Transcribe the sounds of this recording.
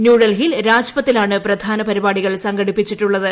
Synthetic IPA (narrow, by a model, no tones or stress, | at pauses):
njuːɽɐlɦilɾaːd͡ʑɐpɐt̪ːilaːɳɨprɐd̪ʱaːnɐpɐɾibaːɽiɣɐɭsɐŋɡɐɽipːit͡ɕːiʈːuɭːɐðɨ